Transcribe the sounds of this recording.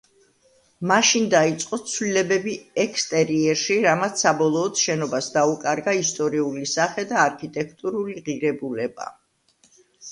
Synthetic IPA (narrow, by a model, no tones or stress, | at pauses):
maʃind̪ait̪sʼqʼɔt̪sʰvlilɛbɛbiɛkʰst̪ʼɛɾiɛɾʃiɾamat̪sʰsːabɔlˠɔːd̪ʃɛnɔbasd̪aukʼaɾɡaist̪ʼɔɾiulisaχɛd̪aːɾkʰit̪ʼɛkʰt̪ʼuɾuliʁiɾɛbulɛba̰